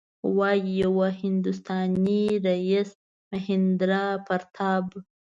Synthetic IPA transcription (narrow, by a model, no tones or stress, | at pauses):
wɑjijawahɪnd̪ust̪ɑniɾais | mahɪnd̪ɾɑpaɾt̪ʰɑb